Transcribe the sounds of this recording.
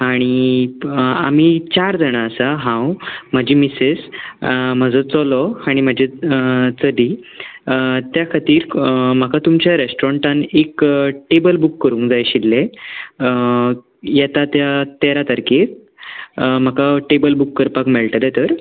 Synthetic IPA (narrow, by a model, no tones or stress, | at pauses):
aɽ̃i | a̰m̤it͡ɕaɾd͡zʱəɽ̃aəsaɦãwm̤əd͡ʑimises | m̤əd͡zɔt͡sɔlɔaɽ̃im̤əd͡ʑʱet͡səd̪ʱi | t̪jakʰat̪iːɾm̤əkat̪umt͡ɕjaɾesʈɾɔɳʈanekʈebəlbukːəɾũːŋkd͡zajɕilːe | jat̪at̪jat̪eɾat̪əɾke | m̤əkaʈebəlbukːəɾpakmɛɭʈlet̪əɾ